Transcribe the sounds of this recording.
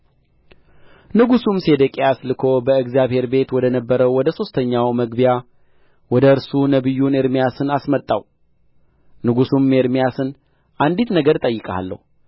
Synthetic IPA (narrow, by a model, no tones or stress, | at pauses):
nɨɡusumse̞d̪əkʼejaslɨkʰo̞bəɨɡzijaβhe̞ɾbe̞t̪wɔd̪ənəbːəɾəwwɔd̪əso̞st̪ʰəɲːawməɡbija | wɔd̪əɨɾsunəβɨjːuneɾmijasɨnasmət̪ʼːa̰w | nɨɡusumːeɾmijasɨn | ʔand̪it̪nəɡəɾt̪ʼəjːɨkʼaa̰lːə̰hu